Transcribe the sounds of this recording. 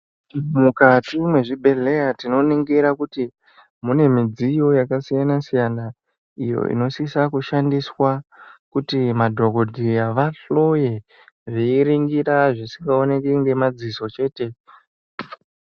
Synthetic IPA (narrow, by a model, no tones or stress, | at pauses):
mukatimwe̞ʐibʱe̞ɮe̞jatino̞niŋɡeɾakuti | mune̞mid͡zijo̞jakasijanasijana | ijo̞̰ʔḭno̞sisakuʃandiswakutimadʱoɡo̞dʱijaʋaɬo̞je̞ | ʐiiɾiŋɡiɾaʐisiŋɡao̞ne̞kiŋɡe̞mad͡ziso̞t͡ʃe̞ːte̞